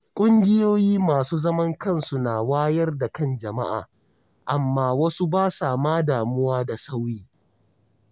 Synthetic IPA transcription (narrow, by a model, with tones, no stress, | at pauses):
kʷʼʊ˦ŋɡʲɪ˦joː˦jiː˦maː˨suː˦zɐ˦mɐ˦ŋkɐ˦˨nsu˨naː˨waː˦jɐ˦rda˨kɐ˦˨nd͡ʒɐ˨ma̰˦ʔa̰ː˨ | ʔa˨mːaː˦wɐ˦su˦baː˦saː˨maː˦daː˨mʊ˦waː˦da˨sa˦wjiː˦